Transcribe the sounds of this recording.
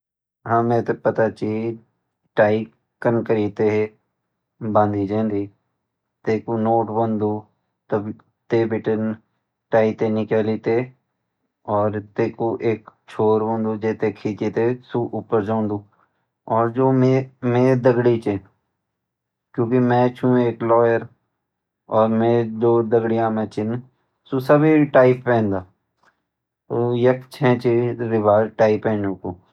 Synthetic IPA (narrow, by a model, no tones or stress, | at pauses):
ɦãːmɛ̃ːt̪epət̪at͡ʃəi | ʈaːi | kənkəɾiːt̪eɦɛ | bãːnd̪id͡ʒãːnd̪iː | t̪eːkonoːʈbə̃nd̪uː | t̪əb | t̪eːbɪʈən | ʈaːit̪enɪkəlit̪eː | ɔːɾt̪eːkoʔeːkt͡ʃʰoːɾbõːnd̪ud͡ʒeːt̪ekʰiːet̪esuʔʊpəɾd͡ʒaʊ̃nd̪uː | ɔːɾd͡ʒoːmemeːd̪əɡɽit͡ʃe | kjõːkimɛ̃t͡ʃʰũeːklɔːjəɾ | ɔːɾmeːd̪oːd̪əɡɽɪjãmɛ̃t͡ʃɪn | susəbʱiʈaːɪppɛ̃ːnd̪aː | t̪ojɐkt͡ʃʰɛ̃ːt͡ʃiɾɪbaːɾʈaːɪpɛ̃ːnũkoː